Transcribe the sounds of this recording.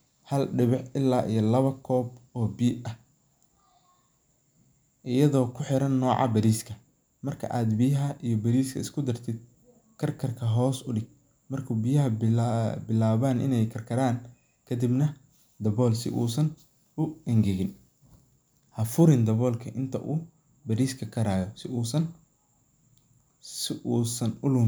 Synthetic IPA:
hɐlɖɪβɪħɪlːaːʔijɔlɐβɐkʰɔːbɔːbiːʔɐh | ʔɪjɐðɔːkʰʊħɪɾɐnːɔːʕɑ̰bɐɾiːskʰɐ | mɐrkʰɐ̰ʔaːd̪bɪjɐɦɐʔijɞbɐɾiːskʰɐ̰ɪskʰʊd̪ɐrt̪ʰɪd̪̚ | kʰɐrkʰɐrkʰɐɦɔːsʊɖɪɡ̚ | mɐrkʰuːbɪjɐɦɐ | bɪlaːβaːnʔɪ̰nɛjkʰɐrkʰɐɾaːn | kʰɐd̪ibnɐ | d̪ɐβɔːlsɪ̰ʔuːsɐn | ʊɛŋɡɛɣɪn | hɐfʊɾɪnd̪ɐβɔːlkʰɐʔɪnt̪ʰɐ̰ʔuː | bɐɾiːskʰɐkʰɐɾaːjɔsɪuːsɐn | sɪʔuːsɐnʊlʊː

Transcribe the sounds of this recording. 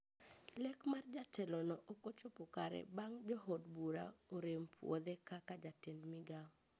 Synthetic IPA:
lɛkmard͡ʒatɛlɔnɔʔokot͡ʃopokaɾɛ̰baŋd͡ʒɔɦodbuɾa̰oɾempʰwo̰d̪ɛkakad͡ʒatendmɪɡa

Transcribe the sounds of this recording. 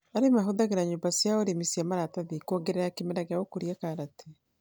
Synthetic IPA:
aɾemaɦoðaɣeɾaɲoːmbasjaoɾemisiamaɾataðikoɡeɾajakemɛɾaɣeaokoɾjakaɾatʰe

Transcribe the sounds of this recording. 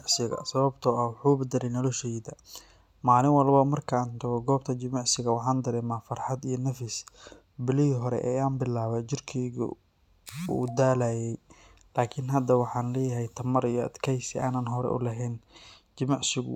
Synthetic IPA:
ʕsɪɣɐ̰sɐβɐbt̪ʰɔɐwʊħuːbɐd̪ɛlɛjnɔlɔʃɛjd̪ɐ | maːlɪnwɐlbɐmɐrkʰaːnt̪ʰɐɣɔɡɔːb̚t̪ʰɐt͡ʃɪmɑʕsɪɣɐwɑħaːnd̪ɐɾɛːmaːfɐrħɑd̪ijɔnɐfɪs | bɪlɪɦiɦɔɾɛ̰ʔɛ̰ːaːnbɪlːaːβɛt͡ʃɪrkʰɛjɣʊ̰ | ṵːd̪aːlaːjɛj | laːkʰɪnɦɐd̪ɐwɑħɑːnlɛːjɐɦɛjt̪ʰɐmɐɾijɔɐ̰d̪kʰɛjsɪaːnɐnɦɔɾɛ̰ʔʊ̰lɐɦɛn | t͡ʃɪmɑʕsɪɣʊ̰

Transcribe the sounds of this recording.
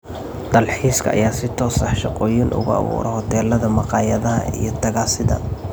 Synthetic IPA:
d̪̥ɐlħiːskʰɐʔːjaːsɪt̪ʰɔːsɑħʃɑqɔːjɪnʔʊ̰ɣʊɑ̰βṵːɾɛ̰hɔt̪ʰɛːlɐðɐmɑqʼɑːjɐðɐɦɐ̰ḭjɞt̪ʰɐɣaːsɪðɐ̰

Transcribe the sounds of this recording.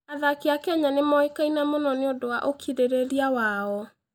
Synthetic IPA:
aðakiakɛɲanemɔekainamonɔneodowaʔokʰiɾeɾeɾiawaɔ

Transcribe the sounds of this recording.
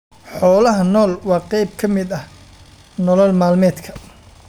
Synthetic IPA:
ħɔːlɐɦɐnɔːlwɑːqɛjb̚kʰɐmɪd̪ɐh | nɔlɔlmaːlmɛːd̪kʰɐ

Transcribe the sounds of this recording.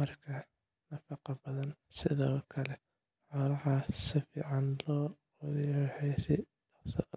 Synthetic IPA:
mɐrkʰɐ | nɐfɑqɑbɐðɐnsɪðɔːkʰɐlɛ | ħɔɾɐħasɪfiːʕɑnlɔː | wðɐjħɛjsɪ | sɔ

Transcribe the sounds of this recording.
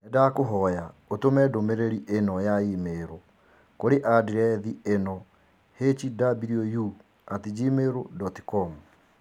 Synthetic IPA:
ɛdakoɦɔjaotomɛdomeɾeɾiʔenɔjaimeɾo | koɾeʔadiɾɛðienɔ | het͡ʃidabiɾioju | atid͡ʒimeɾodɔti̥kɔmu

